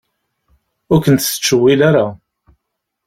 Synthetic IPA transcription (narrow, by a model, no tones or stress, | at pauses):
ʊɾkʷənt̪ə̥t͡ʃːəwːilaɾa